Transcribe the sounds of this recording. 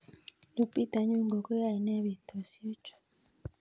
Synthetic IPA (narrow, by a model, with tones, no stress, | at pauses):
nu˨pi˦ta˨ɲu˦ŋɡo˨ko˦ja˦˨i˨nɛ˦βi˨t̪o˨sjo˦t͡ʃo̥˨